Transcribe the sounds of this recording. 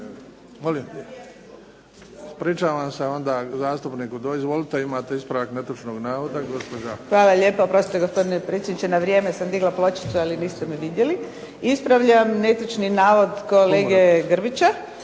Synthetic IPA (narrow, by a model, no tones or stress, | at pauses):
molim | spɾiːt͡ʃaːʋamseo̞nd̪aːzaːst̪upniːkud̪oizʋolit̪eimaːt̪eispɾaʋaknet̪ut͡ʃnoɡnaːʋod̪aɡo̞spod͡ʒaxʋaːlaʎe̞ːpoopɾo̞st̪it̪eɡospo̞d̪inepɾet̪sʲjed̪nit͡ʃenaʋɾjeːmesamd̪iɡlaplot͡ʃi̥t̪sualiniːst̪emiʋid̪je̞li | ispɾaʋʎamnet̪ut͡ʃninaːʋo̞d̪ko̞leːɡeɡrbit͡ɕa